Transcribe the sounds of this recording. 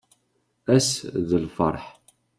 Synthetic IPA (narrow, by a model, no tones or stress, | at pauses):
æsðəlfə̰ɾˤħ